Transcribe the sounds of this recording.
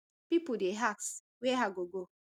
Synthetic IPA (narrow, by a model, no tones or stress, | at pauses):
pipudeɦaks | weɦaɡoɡo